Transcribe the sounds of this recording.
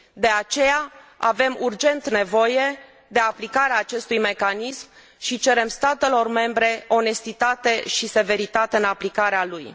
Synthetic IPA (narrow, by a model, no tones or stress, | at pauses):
d̪e̞at͡ʃe̞jaave̞murd͡ʒe̞nt̪ne̞vo̞je̞ | d̪e̞aplikaɾeaːt͡ʃe̞st̪ujme̞kanism | ʃit͡ʃe̞ɾe̞mst̪at̪e̞lo̞rme̞mbɾe̞o̞ne̞st̪it̪at̪e̞ʃise̞ve̞ɾit̪at̪e̞ɨnaplikaɾealuj